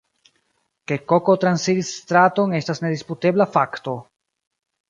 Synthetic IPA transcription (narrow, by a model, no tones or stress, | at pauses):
ke̞ko̞ko̞t̪ɾansidisːtɾato̞ŋe̞stasne̞dispute̞blafakto̞